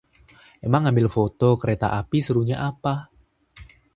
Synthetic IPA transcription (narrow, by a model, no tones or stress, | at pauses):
emaŋːambɪlfot̪ɔkəɾet̪a̰ʔapisəɾuɲaʔapa